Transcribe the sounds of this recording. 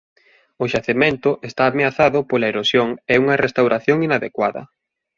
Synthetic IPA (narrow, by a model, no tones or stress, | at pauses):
ʊʃaθemẽnt̪ʊʔest̪aːmeaθaðʊpolaeɾosjoŋɛuŋɐrest̪awɾʔaθjoŋinaðekwaðɐ̰